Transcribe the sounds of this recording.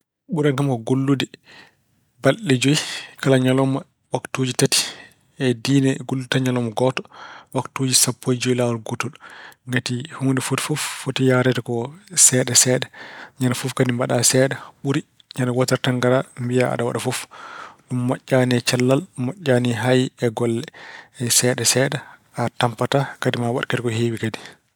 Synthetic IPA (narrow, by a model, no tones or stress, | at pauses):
ɓuɾaŋkamkɔɡolːudɛ | balːɛd͡ʒojkʰalaɲalɔma | waktoːd͡ʒitati̥ | ɛdiːnɛɡolːutaɲalɔmɔɡɔtɔ̥waktoːd͡ʒisapːojd͡ʒoilawɔlɡotɔlŋɡatihundɛfotfɔfːotijaɾɛtakɔsɛːɗɛsɛːɗɛɲanafufkadimbaɗasɛɗɛɓuɾi | ɲanawataɾtaŋɡaɾambijaa̰ɗawaɗafɔfɗumːaʔːaniɛt͡ʃalːalmaʔːanɛɦajɛɡɔlːɛɛsɛːɗɛsɛːɗɛ | atampatakadimawaɗkatɛkɔheːwikadi